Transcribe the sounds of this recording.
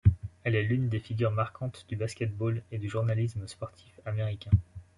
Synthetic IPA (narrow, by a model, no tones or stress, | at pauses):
ɛlɛlynd̪efiɡʲyʁmaʁkʰɑ̃t̪d̪̥ybaskʲɛt̪̚boled̪yʒuʁnalisməspɔʁt̪ʰi̥fameʁikʲɛ̃